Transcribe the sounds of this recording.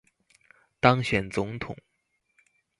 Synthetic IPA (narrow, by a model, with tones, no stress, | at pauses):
t̪ɑ˥ŋɕɥɛ˨˩nt͡sʊ˧˥ŋt̪ʰʊ̰˨˩˦ŋ